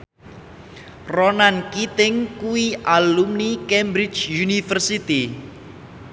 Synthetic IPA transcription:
ronankit̪ɪŋkuwiʔalumnikɛmbɾɪt͡ʃjunifərsit̪i

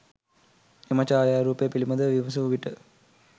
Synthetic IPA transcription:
emɐt͡ʃaːjaːɾuːpejəpilimɐd̪əʋiʋɐs̬uʋuʋiʈə

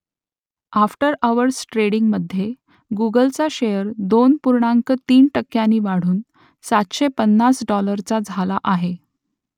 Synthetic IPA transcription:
afʈəɾəʋəɾsʈɾeɽiŋɡməd̪ʱːje | ɡuɡəlt͡saɕejəɾd̪onpuɾɳaŋkət̪iːnʈəkːjaniːʋaɽ̤uːn | sat̪ɕepənːasɖɔləɾt͡sad͡zʱalaʔaɦe

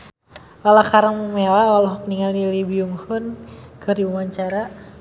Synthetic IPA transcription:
alakaɾəŋumelawalɔɦɔk̚niŋalilibiumhʊnkərdiumaɲt͡ʃaɾa

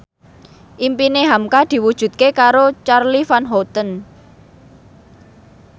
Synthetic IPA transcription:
ʔimpineɦamkad̪̥i̤wud̥ʒ̥ṳt̪̚kekaɾot͡ʃarlifanɦɔt̪ən

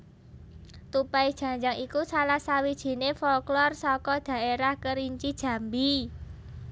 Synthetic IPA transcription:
t̪upaid̥ʒ̥ä̤ɲd͡ʒaŋikusalahsawid̥ʒ̥i̤nefɔlklɔrsɔkɔd̪̥ä̤ʔeɾahkəɾiɲt͡ʃid̥ʒ̥ä̤mbi

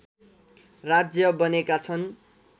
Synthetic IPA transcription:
rad͡zjʌbʌnekat͡sʰʌn

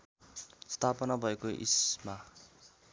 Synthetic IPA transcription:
st̪ʰapʌnabʱʌekoʔḭsma

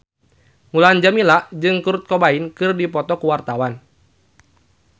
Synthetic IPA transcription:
ŋuland͡ʒamilaʔd͡ʒɨŋkuɾut̪̚kɔbainkɨrdipɔt̪ɔkuwart̪awan

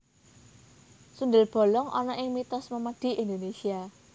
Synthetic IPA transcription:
sund̪əlb̥o̤lɔŋʔɔ̰nɔʔɪŋmit̪ɔsməməd̪̥i̤ʔend̪onesia

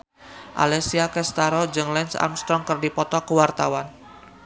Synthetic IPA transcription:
ʔa̰lɛsiakɛst̪aɾɔd͡ʒɨŋlɛnsa̰mst̪ɾɔŋkərdipɔt̪ɔkəwart̪awan

